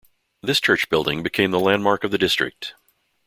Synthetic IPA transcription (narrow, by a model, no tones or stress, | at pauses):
ðɪst͡ʃʰɜ˞t͡ʃb̥ɪlˠdɪ̃ŋbɨkʰẽɪ̃mðəlæ̃nmɑɹkʌvðɨdɪstɹ̥ɨ̰k̚t